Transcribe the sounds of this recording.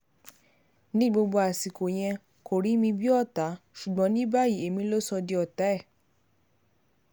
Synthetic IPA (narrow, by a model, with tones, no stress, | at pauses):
nĩ˦ɡ͡bo˧bo˧a˨si˨ko˨j̃ɛ̃˧ | ko˨ɾi˨˦mĩ˧bi˦ɔ˦˨ta˨˦ʃu˨ɡ͡bɔ̃˦nĩ˦ba˦ji˨˦e˨mĩ˧˦lo˦sɔ˧di˧ɔ˨ta˨˦ɛ˦˨